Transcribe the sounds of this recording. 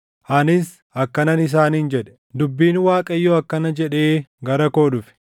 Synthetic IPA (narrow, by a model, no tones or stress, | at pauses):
ʔɐnɪs | ɐkːɐnɐnɪs̬aːnhɪnd͡ʒɛᶑɛ̥ | d̪ʊbːiːnwaːkʼɐjːoɐkːɐnɐd͡ʒɛᶑe̞ːɡɐɾɐko̞ːᶑʊfɪ̥